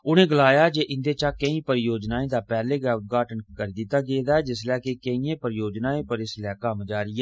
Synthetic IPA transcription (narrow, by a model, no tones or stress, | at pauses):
ʊnẽːɡəlaːjaːd͡ʒeːʔɪ̃nd̪eːt͡ʃaːkəĩːpəɾjoːd͡ʒnaːẽːd̪aːpɛːleːɡʊt̪̚ɡaːʈənkəɾiːd̪ɪt̪ːaːɡeːd̪aːɛːd͡ʒɪslɛːkekəĩːẽːpəɾjoːd͡ʒnaːẽːpəɾɪslɛːkəmd͡ʒaːɾɪɛː